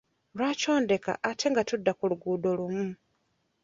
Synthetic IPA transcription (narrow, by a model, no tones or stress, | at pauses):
lwaːco̞ːnde̞ka̰ʔatʰe̞ŋɡatudːakuluɡuːdo̞lumu